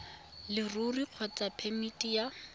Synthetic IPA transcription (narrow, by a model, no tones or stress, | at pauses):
lɪruriq͡χʰɔt͡sʼapʰemitʼija